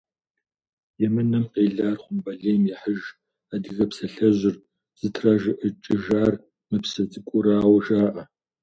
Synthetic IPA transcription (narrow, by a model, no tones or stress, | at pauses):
jɛmɨnɐmqeːɮaːrχʷʊmbɐɮeːmjɛħəʒ | adiɣɐpsɐɬɐʑɪr | z̥ɨtʰraʒɨʔət͡ʃʼɪʒaːr | mɨpsɐzʼɨkʷʼʊɾaːwɐʒaːʔɐ